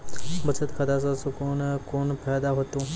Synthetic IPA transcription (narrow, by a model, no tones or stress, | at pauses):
bɐt͡ʃʰət̪kʰɐd̪as̬asʊkonkoːnpɛːd̪aɦoːt̪ũː